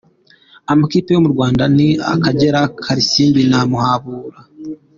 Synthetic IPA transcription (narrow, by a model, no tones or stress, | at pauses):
amakipejo̞muɾɡwaːndania̰kaɟe̞ɾakʰaɾisiːmbinamuhaβuːɾa